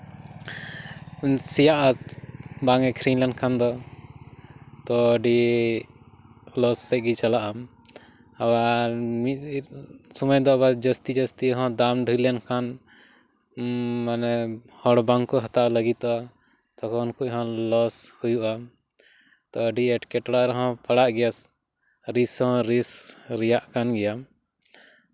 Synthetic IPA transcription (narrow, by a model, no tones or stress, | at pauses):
sijaʔat̪baŋɛkʰɾinlaɳɖkʰand̪ɔ | t̪ɔːɖi | lɔsːɛc̚ɡit͡ʃalaʔam | awaɾmi | sɔmɔjd̪ɔbad͡ʒəst̪id͡ʒəst̪iɦɔ̃d̪amɖʱilɛnkʰan | manɛ | hɔɽbaŋkɔɦat̪aʔləɡit̪ʔa | t̪ɔkɔnkuʔɦɔ̃lɔshujuʔam | t̪ɔəɖiɛʈkɛʈɽaɾɛɦɔ̃paɽaʔɡɛjas | ɾishɔ̃ɾisɾɛjaʔkanɡɛjam